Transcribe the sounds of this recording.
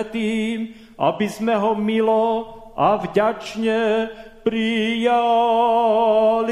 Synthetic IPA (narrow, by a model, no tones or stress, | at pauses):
t̪iːm | ʔa̰bizmɛɦɔmilɔ | ʔavɟat͡ʃɲɛpɾija | l